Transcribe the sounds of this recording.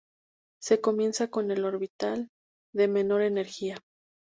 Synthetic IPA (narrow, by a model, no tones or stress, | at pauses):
se̞ko̞mje̞nsako̞ne̞lo̞ɾβit̪al | d̪e̞me̞no̞ɾe̞ne̞ɾxia